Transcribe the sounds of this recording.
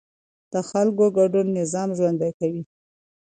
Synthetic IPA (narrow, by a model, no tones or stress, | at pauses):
d̪̥əxalkoɡaɖunːɪzɑmʒwand̪ajkawi